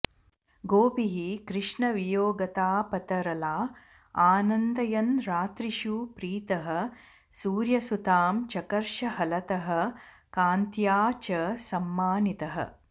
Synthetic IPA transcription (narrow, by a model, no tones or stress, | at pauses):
ɡoːpiɦikɾɪʂɳɐʋijoːɡɐt̪aːpɐt̪ɐɾɐlaː | aːnɐnd̪ɐjɐnɾaːt̪ɾiʃupɾiːt̪ɐɦɐ̆ | suːɾjɐsut̪aːmt͡ʃɐkɐɾʃɐɦɐlɐt̪ɐɦɐ̆ | kaːnt̪jaːt͡ʃɐsɐmːaːnit̪ɐɦɐ̰